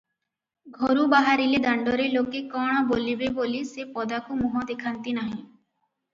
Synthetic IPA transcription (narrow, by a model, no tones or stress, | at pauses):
ɡʱɔɾũbaɦaɾiled̪əɳɖoɾelokekɔɽ̃bolibebolisepɔd̪akumɔɦɔ̃d̪ekʰant̪inaɦĩ